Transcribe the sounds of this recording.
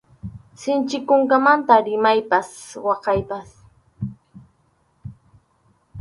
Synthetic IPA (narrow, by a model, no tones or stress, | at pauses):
sɪnt͡ʃɪkʊŋkamant̪aɾɪmajpaswɑqɑjpas